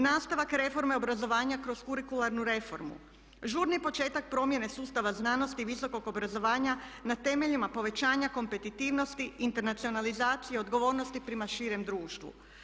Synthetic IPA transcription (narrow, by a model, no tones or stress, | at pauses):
naːst̪aʋakɾe̞fo̞ɾme̞o̞bɾazo̞ʋaːɲakɾo̞zkuɾikulaɾnuɾe̞fo̞̰ɾmṵ | ʒuːɾnipo̞t͡ʃe̞ːt̪ak̚pɾo̞mje̞ne̞suːst̪aʋaznaːno̞st̪iʋiso̞ko̞ɡo̞bɾazo̞ʋaːɲanat̪e̞me̞ʎimapo̞ʋe̞t͡ɕaːɲako̞mpe̞t̪it̪iːʋno̞st̪iint̪e̞ɾnat̪sio̞nalizaːt̪sijeo̞d̪ɡo̞ʋo̞ːɾno̞st̪ipɾemaʃiːɾe̞md̪ɾuːʃt̪ʋṵ